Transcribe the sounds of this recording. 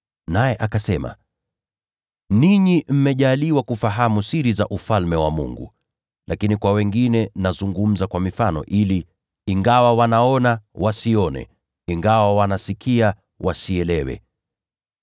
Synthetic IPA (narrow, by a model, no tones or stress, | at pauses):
najɛʔakasɛma̰ | niɲim̩mɛʄaliwakufaɦamusiɾiza̰ʔufalmɛwamṵŋɡṵ | lʔakinikwawɛŋɡinɛnazuŋɡum̩zakwamifanɔ̰ʔiliː | ŋɡawawanaɔnawʔasiɔnɛ̰ | iŋɡawawanasikʰia | wʔasiɛlɛwɛ̰